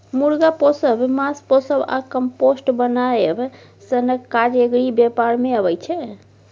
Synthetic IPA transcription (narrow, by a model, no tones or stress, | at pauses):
muɾɡaposəbmasposəba̰kəmposʈbənajeb | sənəkːaɾjəɡɾibepaɾmeəβəjt͡ʃʰɛ